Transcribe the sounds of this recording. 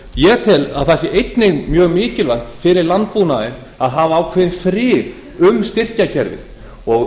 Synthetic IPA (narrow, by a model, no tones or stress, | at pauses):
jɛt̪ʰɪlaðθɛsɪʔejt̪nɪɣmjœːɣmɪːcɪlvajht̪fɪɾɪɾlant̪̚punaðɪn | aðɦaːvaːwkʰvɛðnfɾɪːð | ʏmst̪ɪr̥cacʰɛɾvɪ̰ð | ɔɣ